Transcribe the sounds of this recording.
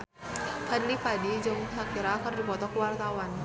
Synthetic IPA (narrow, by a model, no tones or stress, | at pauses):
fʰadlipadid͡ʒʊŋɦakiɾakərdipɔt̪ɔkəwart̪awan